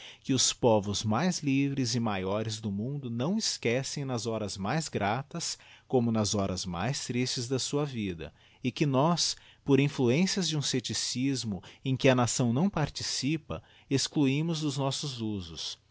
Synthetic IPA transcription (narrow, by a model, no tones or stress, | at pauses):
kɪʊspɔvʊzmajzlivɾɪzɪmajɔɾɪzd̪ʊmũnd̪ʊnɐ̃w̃ɪskɛsẽj̃nɐzɔɾɐzmajzɡɾat̪ɐskõmʊnɐzɔɾɐzma̰jst̪ɾist͡ʃɪzd̪ɐsuɐvid̪ɐ̰ | ɪkɪnɔspoɾĩfluẽsiɐzd͡ʒɪũset͡ʃisizmʊẽj̃kɪɐnasɐ̃w̃nɐ̃w̃paɾt͡ʃisipɐ̰ | eskluĩmʊzd̪ʊznɔsʊzuzʊs